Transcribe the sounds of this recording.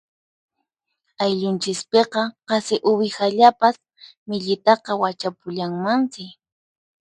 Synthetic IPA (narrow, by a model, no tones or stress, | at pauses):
ajʎʊnt͡ʃɪspeqɑqɑsɪʔʊbɪxaʎapas | mɪʎɪt̪ɑqɑwat͡ʃapʊʎaŋmansɪ